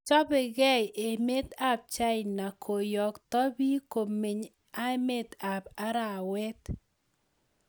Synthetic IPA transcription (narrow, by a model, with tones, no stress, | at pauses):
t͡ʃɔ˦bɪ˨ɡɛ˦je˨me˦t̪a˦p̚t͡ʃa˦jna˨kʰo˨jɔ˨ktɔ˦bi˦ko˨mi˨ɲ | a˦e˦me˦t̪a˨pa˦ɾa˨wɛ˦t̪